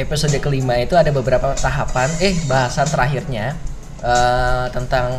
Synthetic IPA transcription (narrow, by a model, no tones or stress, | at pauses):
episodəkəlimait̪uadabəbəɾapat̪aɦapanɛhbaɦasat̪əɾaɦirɲa | ʔət̪ənt̪aŋ